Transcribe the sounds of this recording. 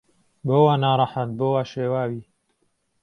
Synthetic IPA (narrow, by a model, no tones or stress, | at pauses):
boːwaːnaːɾˤɑħat̪̚boːwaːʃeːwaːwiː